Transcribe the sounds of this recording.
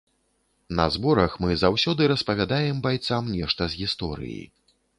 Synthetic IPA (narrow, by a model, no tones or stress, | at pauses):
nɐ̰zbɔɾɐxmɨzawsʲɔd̪ɨɾɐspɐvʲad̪ajɛmbajt̪samnʲɛʂt̪ɐzʲɣʲist̪ɔɾɨ̰jḭ